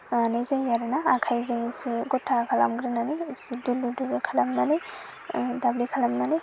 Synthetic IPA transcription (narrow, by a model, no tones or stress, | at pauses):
anezajaɾɯnaːkʰajzemisiɡɔtʰːakʰala̰mɡɾinanisiduluduɾkʰalamnanɯ | dablikʰalamnanɯ